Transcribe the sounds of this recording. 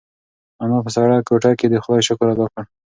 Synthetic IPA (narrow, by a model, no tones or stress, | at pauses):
amɑpəsɑɽɑkoʈɑked̪əxd̪ɑjʃʊkɾad̪ɑkəɽ